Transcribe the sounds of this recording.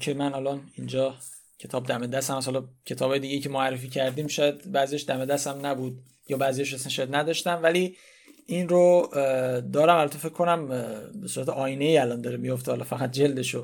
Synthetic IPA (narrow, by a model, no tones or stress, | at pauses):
kʰemænælɒnind͡ʒɒː | cʰe̞t̪ʰɒːb̚d̪æmed̪æsæmæshɒlɒcʰe̞t̪ʰɒːbɒːje̞d̪iːɟejicʰemoærːefiːcʰæɾd̪iːmʃɒːjæd̪bæzijɒʃd̪æmed̪æsæmnæbud̪̚ | jɒːbæzijɒʃesænʃjæd̪næd̪ɒːʃt̪æmvæli | ʔinɾo | d̪ɒːɾæmælɒt̪ʰofe̞cʰkʰːonæmbe̞suːɾæt̪ʰeʔɒːjine̞iːælɒnd̪ɒːɾemijo̞ft̪ehɒlɒfæɣæt̪̚d͡ʒeld̪eʃo